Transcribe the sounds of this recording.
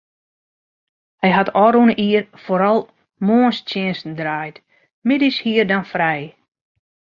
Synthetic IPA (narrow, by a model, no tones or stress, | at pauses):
hɛjɦatʰɔɾunəʔiːərfoɾɔlˠ | moənstjɪənsn̩draːjt | mɪdishiərdanfrɛj